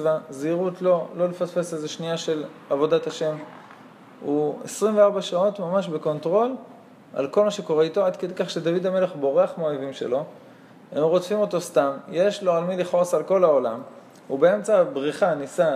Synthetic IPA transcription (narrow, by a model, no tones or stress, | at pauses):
vaziʁutlo̞lo̞lefasfeseze̞ʃniaʃe̞lavo̞dataʃe̞m | uesʁimveaʁbaʃao̞tmamaʃbe̞ko̞ntʁo̞l | a̰lko̞lmaʃeko̞ʁe̞ito̞ad̪ked̪ejkaχʃe̞d̪avidame̞le̞χbo̞ʁe̞aχmeoevimʃe̞̰lo̞ | hemʁo̞tfimo̞t̪o̞stamjeʃlo̞almiliχo̞salko̞lao̞lam | ubee̞mt͡sabʁiχanisa